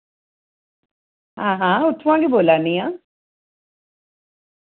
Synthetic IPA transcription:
ɦãːɦãːʊt̪ʰʋãːŋɡeboːlaːniãː

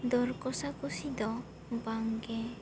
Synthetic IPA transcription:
d̪ɔɾkɔsakɔsid̪ɔ | baŋɡɛ

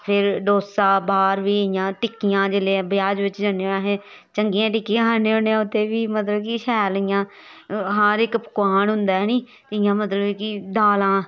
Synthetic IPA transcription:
pʰɪɾɖoːsaːbaːɾʋiːɪjãːʈɪkːijãːd͡ʒeːlẽbjaːd͡ʒʋɪt͡ʃd͡ʒaneːonãːɦẽː | t͡ʃəŋɡijãːʈ̬ɪkːiãːɦəneːõːneãːʊt̪ʰːeːʋiːmət̪ləbkɪʃɛːlɪjãː | ɦaːɾɪkpə̥kʊaːnɦʊnd̪aːniː | t̪eɪjãːmət̪ləbikɪɖ̪aːlãː

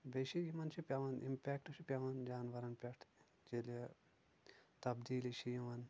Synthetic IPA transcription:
beʃijimɐnt͡ʃʰipʲɐʋɐnḭmpʲeːkʈʃipʲjɐʋɐnd͡ʒaːnʋɐɾɐnpʲɐʈʰ | t͡ʃele | t̪ɐbd̪iːliʃijimɐn

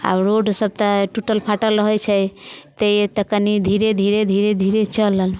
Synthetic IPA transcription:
a̰bɾoɖsəb̚t̪aʈuʈəlpʰaʈəlɾəɦɔt͡ʃʰɛjt̪əjt̪əkənid̪ʱiɾed̪ʱiɾed̪ʱiɾed̪ʱiɾet͡ʃəlːəl

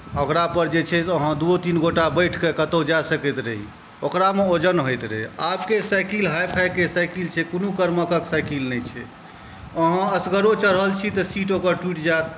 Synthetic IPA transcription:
əkɾapəɾd͡ʒet͡ʃʰɛtəɦãd̪uot̪inɡoʈabəjʈʰkekət̪od͡ʒasəkɛt̪ɾəɦḭ | okɾameod͡ʒənɦojt̪ɾəɦiap̚kesajkilɦajpʰajkesajkilt͡ʃʰɛkonukəɾməkəksajkilnɛt͡ʃʰɛ | əɦãəsɡəɾot͡ʃəɾɦəlt͡ʃʰit̪ɔsiʈokəɾʈwiʈd͡ʒat̪

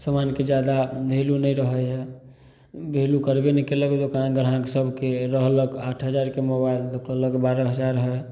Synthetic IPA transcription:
səmanked͡ʒjad̪abʱelunəjɾəɦəɦɛ | bʱelukəɾbenɛkeləɡt̪okaãɡəɾɦãɡsəbʱkeɾəɦləkaʈʰɦəd͡ʒaɾkemobaild̪əkələkbaɾəɦəd͡ʒaɾɦɛ

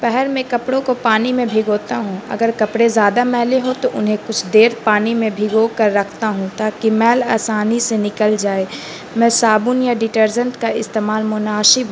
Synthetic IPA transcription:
pɛɦɛɾmẽkɐpɽõkopaːnimẽbʱɪɡoːt̪aɦũɐ̰ɡəɾkɐpɽezjaːd̪amɛːleɦot̪oʔʊnɦẽkʊt͡ʃʰd̪eːɾpaːnimẽbʱɪɡokəɾːɐkʰt̪aɦũt̪aːkimɛːlaːsaːnisenɪkəld͡ʒaːe | mɛ̃ːsaːbʊnjaɖɪʈəɾd͡ʒə̃ɳʈkaɪst̪eːmaːlmʊnaːʃɪb

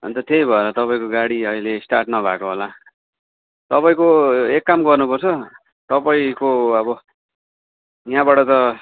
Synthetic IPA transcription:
ʌ̰nt̪ʌʈʰejbʱʌeɾʌt̪ʌpaĩkoɡaɽiʌilesʈarʈnʌbʱa̰koɦola | t̪ʌpaĩkoekːamɡʌrnupʌrt͡sʰʌ | t̪ʌpaĩkoʌbʌ | jãbaʈʌt̪ʌ

